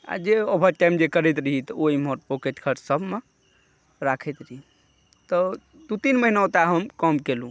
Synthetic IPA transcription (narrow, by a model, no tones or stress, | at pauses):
a̰d͡ʒeobʱəʈajmd͡ʒekəɾɛt̪ɾəɦit̪ɔoɦimoɾpoket̪kʰəʈsəbʱme | ɾakʰɛt̪ɾəɦi | t̪ɔ | d̪ut̪inməɦinaot̪aɦəmkɔmkelũ